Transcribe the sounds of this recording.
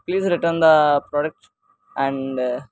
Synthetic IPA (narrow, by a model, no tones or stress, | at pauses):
pliːzɾɪʈəɾnd̪ɐpɾɔːɖɛk̚ʈ | ʔɛ̃ɳɖ